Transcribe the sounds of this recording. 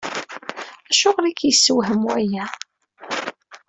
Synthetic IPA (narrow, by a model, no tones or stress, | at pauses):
æʃʊʁlikjəsːəwɦəmuæjæ